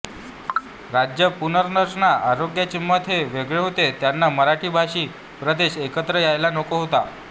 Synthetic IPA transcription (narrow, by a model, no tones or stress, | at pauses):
ɾad͡ʑjəpunəɾnəɾɳaʔaɾoɡjat͡ɕimːət̪ʰeʋeɡɭeɦot̪et̪janːaməɾaʈʰiːbʱaʂiː | pɾəd̪eɕekət̪ɾəjajlanokoɦot̪a̰